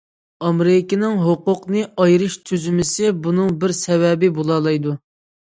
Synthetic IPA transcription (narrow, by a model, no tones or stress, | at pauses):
ɑmɾɪkʲinɪŋɦoqʊqnɨɑjɾɨʃt̪ʰyzymɪsɪbunɨŋbɪɾsɛvɛbɪbolˠɑːlˠɑjd̪u